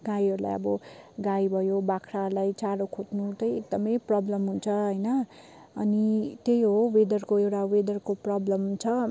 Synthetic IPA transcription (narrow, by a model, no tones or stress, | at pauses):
ɡajiɦʌɾula̰jʌ̰bʌɡajbʱʌjobakʰɾaɦɾlajt͡saɾokʰot̪nut̪ʌjekd̪ʌmʌjprʌblʌmɦunt͡sʰʌɦʌjnʌ̰ː | nit̪ejɦowed̪ʌrkoewʈawed̪ʌrkoprʌblʌmɦnt͡sʰʌ